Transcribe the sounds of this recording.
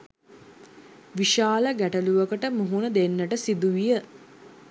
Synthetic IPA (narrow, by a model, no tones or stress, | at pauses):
ʋiʃaːləɡæʈəluʋəkəʈəmuɦunəd̪enːəʈəsid̪uʋijə